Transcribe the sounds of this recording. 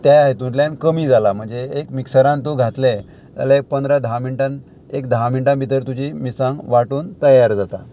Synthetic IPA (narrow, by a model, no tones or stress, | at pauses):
t̪jajaɦet̪ũnʈ̪ljankəmiːd͡zalam̤əɳd͡zeekmiksəɾãnt̪oɡʱat̪le | t̪ja̰laek̚pənd̪ɾad̪ʱãminʈãn | ekd̪ʱamiɳʈãmbʱit̪əɾt̪ud͡ʑiːmiːsãŋɡʋaʈuːnt̪əjaɾd͡zat̪a̰